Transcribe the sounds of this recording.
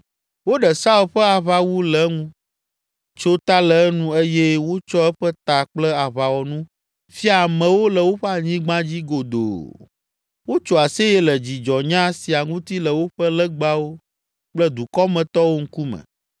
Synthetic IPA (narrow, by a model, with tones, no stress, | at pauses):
wo˦ɖɛ˨sa˦u˨ɸɛ˦a˨βa˨wu˦lɛ˨ŋũ˦ | t͡ʃo˦t̪a˦lɛ˨˦nũ˦e˦jɛ˦wo˦t͡ʃɔ˦ɛ˦ɸɛ˦t̪a˨k͡plɛ˦a˨βa˨wɔ˨nũ˦ | fi˦a˨mɛ̃˨wo˦lɛ˨wo˦ɸɛ˦a˨ɲĩ˦ɡ͡bã˦d͡ʑi˦ɡo˨d̪o̰˨ | wo˦t͡ʃo˨a˨se˦jɛ˦lɛ˨d͡ʑi˨d͡ʒɔ˨ɲã˦si˨a˨ŋũ˦t̪i˦lɛ˨wo˦ɸə˦lɛ˦ɡ͡ba˦wo˦ | k͡plɛ˦d̪u˨kɔ˦mɛ̃˨t̪ɔ˦wo˦ŋ̩˦ku˦mɛ̰̃˨